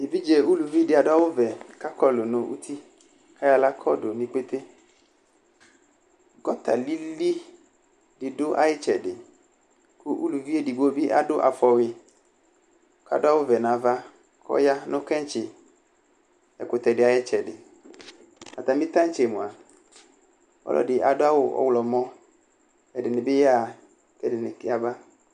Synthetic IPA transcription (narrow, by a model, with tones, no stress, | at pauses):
e˨vi˦d͡ʒɛ˨u˦lu˨vi˦dɪ˨˦a˨da˦wʊ˦vɛ˨ka˦kɔ˦lʊ˨nʊ̃˨ʔṵ˦t̪ʰi˦ | kʰa˦ja˦la˦kʰɔ˦dʊ˨nĩ˦k͡pe˦t̪e˦ | ɡɔ˦t̪a̰˨li˦li˦ | dɪ˨dʊ˦ʔa̰˨jɪ˦t͡ʃɛ˨dɪ˨ | kʊ˦ʔu˦lu˨vi˦e˦di˨ɡ͡bo˦bi˦ʔa̰˦dʊ˦ʔa̰˨fɔ˨ɣɪ˧ | kʰa̰˨dʊ˦a˦wʊ˦vɛ˨nã˨va˦ | kʰɔ̰˦ja˦nʊ̃˦kɛ̃˦n˦t͡ʃɪ˨ | ɛ˨kʊ˨tɛ˨dɪ˨a˨jɪ˦t͡ʃɛ˨dɪ˨ | a˨t̪a˨mɪ̃˦t̪ã˦n̩˦t͡ʃe˨mʊ̃˨a˨ | ɔ̰˦lʔɔ̰˦dɪ˨ʔa̰˨dʊ˦a˦wʊ˦ɔ̰˦wlɔ˨mɔ̃˦ | ɛ˨dɪ˨nɪ̃˨bɪ˦ja˦˨ | kɛ˨dɪ˨nɪ˨kɪ˦a˨ba˦